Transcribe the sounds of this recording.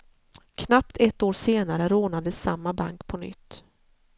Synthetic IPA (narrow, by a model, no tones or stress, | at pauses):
kʰnapt̪ʰɛt̪ːoːɾseːnaɾəɾoːnad̪əsːamːaba̰ŋkpʰɔnʏ̰t̪ː